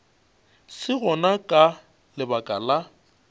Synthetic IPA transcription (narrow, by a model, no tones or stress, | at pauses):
sɪɣɔnakʼa | lɪbakʼala